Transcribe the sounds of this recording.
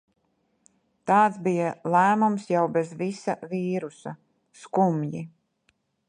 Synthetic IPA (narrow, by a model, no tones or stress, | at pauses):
t̪ɑːt̪sbijalæːmumsjawbɛzvisa̰viːɾusa | skumji